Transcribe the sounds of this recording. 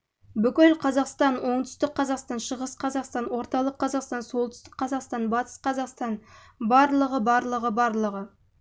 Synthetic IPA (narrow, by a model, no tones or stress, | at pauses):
bʏkʲɪlqʰɑzɑqst̪ɑnwo̞ɴt̪ʏ̥st̪ɪkqʰːɑzɑqst̪ɑnʃəʁəsqʰɑzɑqst̪ɑnwo̞ɾt̪ɑlˠəqʰːɑzɑqst̪ɑnsolˠt̪ʏ̥st̪ɪ̥kqqʰːɑzɑqst̪ɑnbɑt̪ə̥sqʰɑzɑqst̪ɑn | bɑɾlˠəʁəbɑɾlˠəʁəbɑɾlˠəʁə